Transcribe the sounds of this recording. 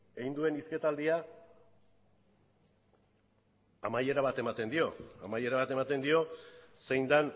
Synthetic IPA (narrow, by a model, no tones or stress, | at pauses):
e̞ɣind̪ue̞niske̞t̪ald̪ia | amaje̞ɾaβ̞at̪e̞mat̪e̞nd̪io̞amaje̞ɾaβat̪e̞mat̪e̞nd̪io̞se̞jnd̪an